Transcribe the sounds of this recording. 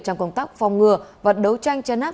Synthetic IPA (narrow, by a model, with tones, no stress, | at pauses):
t͡ɕɔ˧wŋ͡mkə˧wŋ͡mt̪aː˦˥k̚fa˨˩wŋ͡mŋɨ˨˩əvə˨˩t̚ɗə˨˦wt͡ɕa˧jŋ̟t͡ɕɛ˧nʔaː˦˥